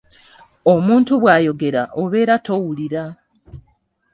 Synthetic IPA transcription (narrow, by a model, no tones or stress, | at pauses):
omuːntuβwaːjo̞ɡe̞ɾaʔoβe̞ːɾato̞wuliɾa